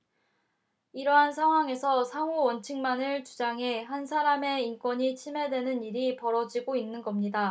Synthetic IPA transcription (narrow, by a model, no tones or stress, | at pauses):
iɾʌɦansʰaŋɦwaŋe̞sʰʌsʰaŋowʌnt͡ɕʰɯŋmanɯɭt͡ɕud͡ʑaŋɦe̞hansʰaɾame̞ink͈wʌɲit͡ɕʰime̞dwe̞nɯniɾipʌɾʌd͡ʑiɡoinːɯnɡʌmɲida